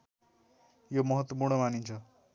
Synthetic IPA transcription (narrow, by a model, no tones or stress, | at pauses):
jomʌɦʌt̪wʌpurɽ̃ʌmanint͡sʰʌ